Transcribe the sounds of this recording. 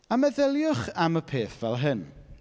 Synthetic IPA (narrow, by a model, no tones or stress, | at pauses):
amɛðɪlˠjʊχaməpʰeːθvɛlˠɦɨn